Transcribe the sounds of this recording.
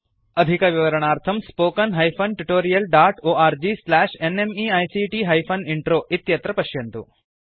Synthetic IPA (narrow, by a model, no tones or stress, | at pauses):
ɐd̪ʱikɐʋiʋɐɾɐɳaːɾt̪ʰɐmspoːkɐnɦɐjpʰɐnʈuʈoːɾijɐlɖaːʈoːʔaːɾd͡ʒiːslæːʂenemiːɐjsiʈiɦɐjpʰɐniɳʈɾoːʔit̪jɐt̪ɾɐpɐʃjɐnt̪ṵ